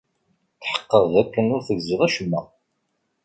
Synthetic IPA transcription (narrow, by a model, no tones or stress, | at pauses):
θħə̥qːəðˤðækːənʊɾθəɡziðˤæʃəmːə̰